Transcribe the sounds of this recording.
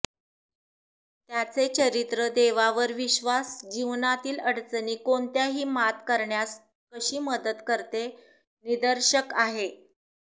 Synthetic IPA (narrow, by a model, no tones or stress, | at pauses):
t̪jat͡set͡ɕəɾit̪ɾəd̪eʋaʋəɾʋiɕʋasd͡ʑiʋnat̪iːləɽt͡sniːkoɳt̪jaɦiːmat̪kəɾɳjas | kəɕiːməd̪ət̪kəɾt̪e | nid̪əɾɕəkaɦe